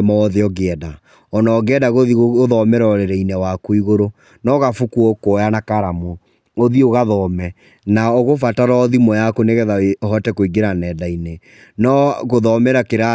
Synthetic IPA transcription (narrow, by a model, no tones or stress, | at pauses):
mɔɔðeɔɣeɛda | ɔnɔːɡɛdaɣoðioðɔmɛɾɔɔɾeɾɛinɛwakoiɣoɾo | nɔɣafukuɔkojanakaɾamo | oðioɣaðɔmɛ | naoɣofataɾɔðimɔjakoneɣɛðaɦɔtɛkoiɡeɾanɛːdaine | nɔɣoðɔmɛɾakeɾa